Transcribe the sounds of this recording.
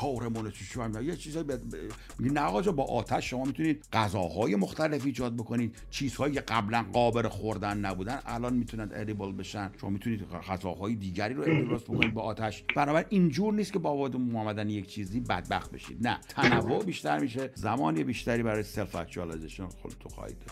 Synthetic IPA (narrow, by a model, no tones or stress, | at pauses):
kʰɒwɾemonet̪ʰiæmijet͡ʃʰiːzɒːjib̪ | miɡinæʁɒːd͡ʒɒbɒːʔɒːt̪ʰæʃːo̞mɒːmit̪ʰuniːd̪̚ɢæzɒːɦɒːjemo̞xt̪æle̞fiːd͡ʒɒːd̪̚bo̞kʰo̞niːd̪̥̚ | t͡ʃʰiːz̥hɒːjiːkʰeɡæblænɢɒːbeɾexoɾd̪ænːæbuːd̪ænælɒːnmiːt̪ʰunænd̪eɾibolbe̞ʃænʃomɒ̰mit̪ʰuniːd̪ʁæzɒːɦɒːjed̪iːɟæɾiːɾoet̪ʰeɾɒːzbokʰo̞niːd̪beɒːt̪ʰæʃb̥ænɒːbæɾinʔind͡ʒuːɾniːskʰe̞bɒːbɒd̪emɒːmæd̪ænjekt͡ʃʰiːziːbæ̰d̪̚bæ̰xt̪̚be̞̰ʃḭːd̪̥næ̰t̪ʰænævːoʔbiʃt̪æɾmiːʃezæmɒːniebiʃt̪æɾiːbæɾɒːjeselfæ̰t̪t͡ʃɒːlezeʃonxo̰d̪et̪ʰoxɒ̰hḭd̪ɒ